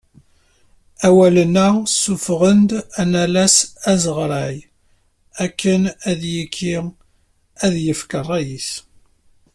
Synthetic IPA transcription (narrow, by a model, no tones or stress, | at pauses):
æwælənæsːufʁənd̪ænælæsæzəʁɾˤæj | ækːənæðjikʰːi | æðjəfkərˤːæjiθ